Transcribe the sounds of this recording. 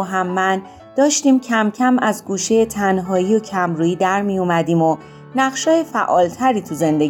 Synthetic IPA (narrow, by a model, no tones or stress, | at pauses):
ɦæmːæn | d̪̥ɒːʃt̪iːmcʰæmcʰæmæzɡuːʃe̞jet̪ʰænɦɒːiːocʰæmɾuːiːd̪æɾmijumæd̪iːmo̞ | næʁʃɒːjefæ̰ʔɒ̰ːlt̪ʰæɾiːt̪ʰuze̞nd̪e̞